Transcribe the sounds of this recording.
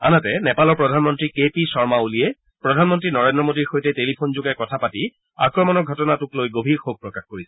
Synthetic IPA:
a̰natɛnɛpalɔɹpɹɔdʱanmɔntɹikepisɔɹmaulijɛ | pɹɔdʱanmɔntɹinɔɹendɹɔmodiɹxojtɛtelipʰonzʊɡɛkɔtʰapati | a̰kɹɔmɔnɔɡʱɔtɔnatʊklojɡobʱiɹxoɡ̚pɹɔkaxkoɹisɛ̥

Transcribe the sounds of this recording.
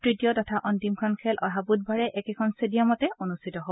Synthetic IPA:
tɹitijɔtɔtʰaʔɔntimkʰɔnkʰɛlʔɔɦabut̚bʱaɹɛʔɛkɛkʰɔnsedijamɔtɛʔonustʰitɔɦob

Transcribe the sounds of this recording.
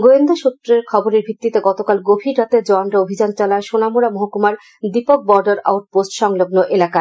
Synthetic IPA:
ɡoend̪aʃut̪ːɾeɾkʰɔboɾeɾbʱit̪ːit̪eɡɔt̪okalɡobʱiɾɾat̪ed͡ʑɔanɾaobʱid͡ʑant͡ɕalaeʃonamuɾamoɦokumaɾ | d̪ipok̚bɔɾɖaɾa̰wʈ̚posʈʃɔŋloɡnoʔelaka

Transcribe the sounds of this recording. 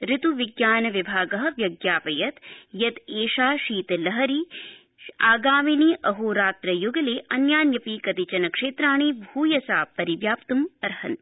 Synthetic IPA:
ɾɪt̪uʋiɡjaːnɐʋibʱaːɡɐɦɐ̆ʋjɐɡjaːpɐjɐt̪jɐt̪eːʃaːʃiːt̪lɐɦɐɾi | aːɡaːminiʔɐɦuːɾaːt̪ɾɐjuɡɐleːʔɐnjaːnjɐpiːkɐt̪it͡ʃɐnɐkʂeːt̪ɾaːɳ̃iːbʱuːjɐsaːpɐɾiʋjaːpt̪umɐɾhɐ̰n

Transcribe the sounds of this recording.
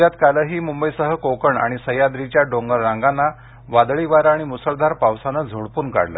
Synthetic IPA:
jat̪kaləɦiːmumbəjsəɦəkokəɳa̰ɽ̃isəjad̪ɾit͡ɕjaɖõŋɡəɾːãŋɡanːa | ʋad̪ɭiʋaɾaɽ̃imusəɭd̪ʱaɾpawsanəd͡zʱoɽpuːnka̰ɽlə̰

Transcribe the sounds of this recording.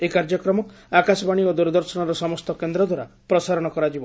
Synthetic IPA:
ekaɾd͡ʒɔkɾɔmɔk | akasɔbaɽ̃iod̪uɾd̪ɔɾsɔnɔɾɔsɔmɔst̪ɔkend̪ɾɔd̪waɾapɾɔsaɾɔɽ̃ɔkɔɾad͡ʒibɔ

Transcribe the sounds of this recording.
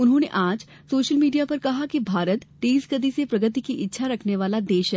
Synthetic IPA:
ʊnɦõneʔaːd͡ʒ | soːʃəlmiːɖijapɐɾkɐɦakibʱaːɾət̪ʈeːsɡəd̪isepɾɐɡət̪ikiʔɪtːʃʰaɾɐkʰneʋaːlad̪eːʃɦɛː

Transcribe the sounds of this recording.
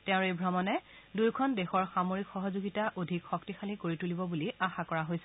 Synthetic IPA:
tɛ̃ʊ̃ɹejbʱɹɔmɔnɛdujkʰɔndexɔɹxamoɹikxɔɦɔzoɡitaʔodʱikxɔk̚tixalikoɹitulibɔbuliaxakɔɹaɦojsɛ

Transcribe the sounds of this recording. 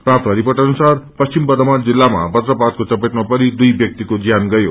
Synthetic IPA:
prap̚t̪ʌɦʌɾipʌʈʌnusarpʌst͡simbʌd̪ʌmad͡zilːama̰bʌt̪rʌpat̪̚kot͡sʌpeʈmapʌɾid̪ujbjʌk̚t̪ikod͡zijanɡʌjo

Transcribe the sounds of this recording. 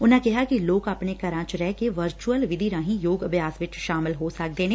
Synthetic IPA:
ʊnãːkɪɦaːkiloːkapnekəɾãːt͡ʃɾɛɦkeʋəɾt͡ʃuəlʋɪd̪ʱiːɾãːɦĩjoːɡəbʱjaːsʋɪt͡ʃʃaːmɪlɦoːsək̚d̪eːneː

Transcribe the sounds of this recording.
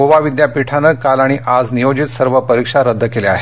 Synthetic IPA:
oʋaʋid̪japiʈʰanəkalaɽ̃iʔad͡znijod͡ʑit̪səɾʋəpəɾikʂaɾəd̪ʱːəkeleaɦe

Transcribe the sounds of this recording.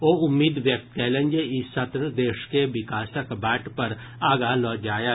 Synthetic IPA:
oːʊmːiːd̪ʋjɐk̚t̪̚kɛːlə̃nd͡ʒəɪsɐt̪ɾəd̪eːʃkeʋɪkaːsəkbɛːʈʰpɐɾ | aːɡalɔːd͡ʒaːja

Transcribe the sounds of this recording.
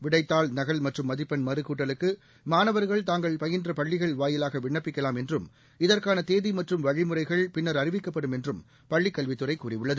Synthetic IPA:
ʋɪɽɐɪt̪ːaːɭnɐɣɐɭmɐʈrɯmːɐðɪpːɐnmɐɾɯkuːʈːɐlɯkːɯ | maːnɐʋɐɾɣɐɭt̪aːŋɡɐɭpɐjɪndrɐpɐɭːɪɣɐɭʋaːjɪlaːɣɐʋɪɳːɐpːɪkːɐlaːmɛndrɯm | ɪðɐrkaːnɐt̪eːðimɐʈrɯmʋɐɻɪmɯrɐɪɣɐɭpɪnːɐɾɐrɪʋɪkːɐpːɐɽɯmɛndrɯm | pɐɭːɪkːɐɭʋɪt̪ːɯrɐɪkːuːrɪʋɯɭːɐðɯ

